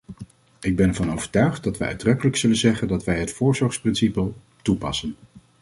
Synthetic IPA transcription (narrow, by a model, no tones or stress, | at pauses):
ɪɡ̚bɛnɛɹvɑnowvəɹtœɥχt̚dɑtʋə̰ʔœ̰ɥdrɵkələksɵlənzɛχəndɑtʋɛjɦətfʊːɹzɔɹsprɪnsipəlˠ | tupɑsən